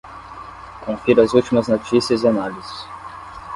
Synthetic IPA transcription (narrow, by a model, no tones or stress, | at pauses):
kõfiɾʊɐzut͡ʃimɐznot͡ʃisiɐzianalizɪ̥s